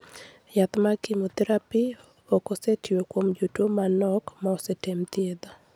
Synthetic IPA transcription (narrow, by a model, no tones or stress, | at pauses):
jat̪makimot̪ɛɾapi | okosetʰiokwomd͡ʒutomanɔkmaɔsetemt̪jed̪a